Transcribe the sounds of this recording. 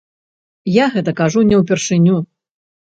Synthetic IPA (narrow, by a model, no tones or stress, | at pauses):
jaɣɛt̪ɐkaʐunʲɛwpʲɛrʂɨnʲu